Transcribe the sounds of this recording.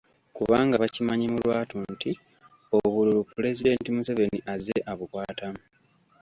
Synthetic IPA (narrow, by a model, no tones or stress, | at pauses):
kuβaːŋɡaβacimaɲimulwaːtuntʰi | oβululupule̞zide̞ntimuseve̞niʔazeʔaβukwaːtamu